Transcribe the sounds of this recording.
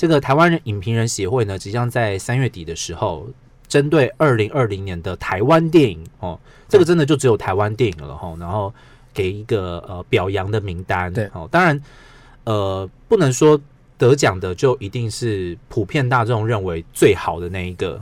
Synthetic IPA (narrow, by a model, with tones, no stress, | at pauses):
ʈ͡ʂɤ˥˩ɡə˩t̪ʰa˧ɪwa˦nɻə˧˦ni˨˩npʰi˧˥ŋɻə˧˦nɕjɛ˧˥xwe˥˩ɪnə˩t͡ɕi˨˩t͡ɕjɑ˥ŋt͡sa˥˩ɪsa˥nɥɛ˥˩t̪i˨˩d̪ə˩˦ʂɻ̩˧˥xo˥˧ʊ | ʈ͡ʂə˦˥nt̪̬we˥˧ɪʔə˞˥˩li˧˥ŋʔə˞˥˩li˧˥ŋnjɛ˧˦nd̪ə˨t̪ʰa˧˥ɪwa˦nt̪̬jɛ˥˩ni˨˩˦ŋxɔ˥˩ | ʈ͡ʂɤ˥˩ɡə˩ʈ͡ʂə˦nd̪ə˨t͡ɕjo˥˩ʊʈ͡ʂɻ̩˧˥o˨˩t̪ʰa˧˥ɪwa˦nt̪jɛ˥˩nḭ˨˩ŋlə̰˩xɔ̰˥˧˩na˧˥nxo˥˩ʊ | ke˨˩ɪi˧˥ɡə˧ə˨pjɑ˨˩ʊjɑ˧˥ŋd̪ə˨mi˧˥ŋt̪a˥nxɔ˥˩t̪ɑ˥ŋɻa˧˦n | ə˨˩pu˥˩nə˧˦ŋʂwɔ˥ | t̪ɤ˧˦t͡ɕjɑ˨˩ŋd̪ə˦t͡ɕjo˥˩ʊʔi˧˥t̪i˥˧ŋʂɻ̩˥˩pʰu˨˩pʰjɛ˥˧nt̪a˥˧ʈ͡ʂɤ˥˩ʈ͡ʂʊ˨˩ŋɻə˥˩nwe˧˥˦ɪt͡swe˥˩ɪxɑ˨˩ʊd̪ə˦na˥˩ɪi˧˥ɡə̰˩